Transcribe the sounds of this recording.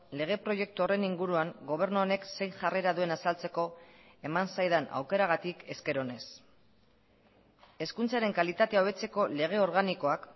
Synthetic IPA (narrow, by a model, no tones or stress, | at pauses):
le̞ɣ̞e̞pɾo̞je̞k̚t̪uo̞re̞niŋɡuɾuaŋɡo̞β̞e̞ɾnuone̞kse̞jʝareɾaðue̞nasalt͡se̞ko̞ | e̞mansajðana̰wke̞ɾaɣat̪ike̞ske̞ɾo̞ne̞s | e̞skunt͡saɾe̞ŋkalit̪at̪e̞aoβ̞e̞t͡se̞ko̞le̞ɣ̞e̞o̞ɾɣ̞aniko̞ak